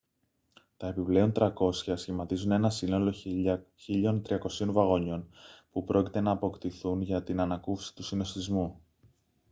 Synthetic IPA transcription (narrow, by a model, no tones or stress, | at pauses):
t̪ɐe̞piple̞o̞nt̪ɾɐko̞sçɐsçimɐt̪izune̞nɐsino̞lo̞çiʎo̞nt̪ɾiɐko̞sio̞nvɐɣo̞ɲo̞npupɾʔo̞ci̥t̪e̞nɐːpo̞kt̪iθunʝɐt̪inɐnɐkufsi̥t̪usino̞st̪izmu